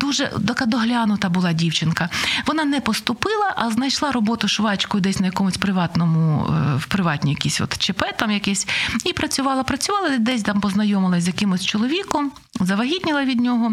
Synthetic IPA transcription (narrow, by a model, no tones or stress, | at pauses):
d̪uʒɛ̰d̪ɐkad̪ɔɦlʲanʊt̪ɐbʊlˠɑdʲiwt͡ʃɪnkɐʋɔnɑnɛpɔst̪ʊpɪlˠɐʔɐznɐjʃlˠɑɾɔbɔt̪ʊʃʋɑt͡ʃkɔjʊd̪ɛsʲnɐjɐkɔmʊsʲpɾɪʋɑt̪nɔmʊʊwpɾɪʋɑt̪ʲnʲijɐkʲisʲʋɔ̰t̪t͡ʃepɛt̪ɑmjɐkɛsʲipɾɐt͡sʲʊʋɑlˠɐpɾɐt͡sʲʊʋɑlˠɐd̪ɛsʲt̪ampɔznɐjɔmɪlˠɐzʲjɐkɪmʊsʲt͡ʃɔlˠɔʋʲikʊm | zɐʋɐɦʲid̪ʲnʲɪlˠɐʋʲid̪ʲnʲɔɦɔ